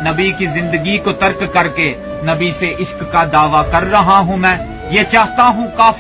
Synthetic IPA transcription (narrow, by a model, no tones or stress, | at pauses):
nɐbikizɪ̃nd̪əɡikot̪ɐɾkːɐɾke | nɐbiseʔɪʃkːad̪aːʋakɐɾːɐɦaɦũmɛ̃ː | jeːt͡ʃaːɦt̪aɦũkaːf